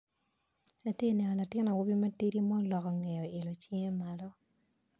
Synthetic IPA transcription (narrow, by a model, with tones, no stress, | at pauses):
na˨tje˦˨nɛ˨nɔ˨na˨tɪ˦na˨wu˦bi˦ma˦ti˦ɾi˦mɔ˦lɔ˨kɔ˨ŋɛ˨jɔ˨ɪ˨lo˨t͡ʃi˦ŋe˦ma˨lɔ˦